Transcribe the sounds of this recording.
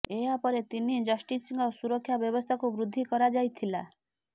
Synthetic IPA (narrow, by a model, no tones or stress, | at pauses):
eapɔɾet̪inid͡ʒɔsʈisiŋɡɔsuɾɔkʰːjabjɔbɔst̪ʰakubɾud̪ʱːikɔɾad͡ʒajt̪ʰila